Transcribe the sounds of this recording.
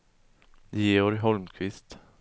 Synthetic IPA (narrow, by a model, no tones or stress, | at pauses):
jeːɔɾɦɔlmkʰvɪst̪